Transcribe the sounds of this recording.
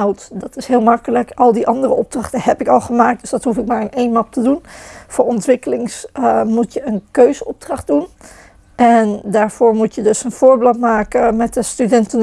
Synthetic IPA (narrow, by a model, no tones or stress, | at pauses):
awtdɑtɪsɦɪːlˠmɑkələkɑlˠdiʔɑndərəʔɔb̚drɑχtənhɛpɪkɑlˠχəmaːk̚t̚d̥ɵsdɑtɦufɪk̚maːɹɪnʔejnɑp̚tədunfoːɹɔntʋɪkəlɪŋsmutjəənkøɥzənɔb̚drɑχ̚dun | ʔɛndaːɹv̥ʊːɹmutjədɵsənv̥ʊːɹbɪlˠtmaːkəmɛt̚dəstydɛntən